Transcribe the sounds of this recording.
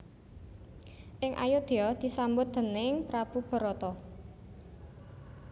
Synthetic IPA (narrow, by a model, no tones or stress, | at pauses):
ʔɪŋʔa̰jʊd̪̥iɔd̪̥i̤sambʊt̪̚d̪̥ə̤nɪŋpɾab̥ṳb̥ɔ̤ɾɔt̪ɔ